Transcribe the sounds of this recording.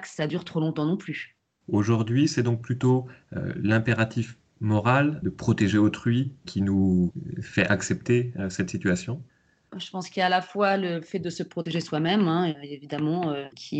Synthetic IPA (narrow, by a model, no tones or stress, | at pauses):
ksad̪yʁt̪χolɔ̃t̪ɑ̃nɔ̃ply | oʒuʁd̪ɥisɛd̪ɔ̃k̚plyt̪oø̰lɛ̃peʁat̪if | mɔʁald̪əpχɔt̪eʒeot̪χɥikʲʰinu | fɛʔaksɛp̚t̪esɛt̪sit̪ɥasjɔ̃ | ʒəpɑ̃skʲijaːlafwaləfɛt̪̚d̪əsəpχɔt̪eʒeswamɛmɛ̃evid̪amɑ̃økʲʰi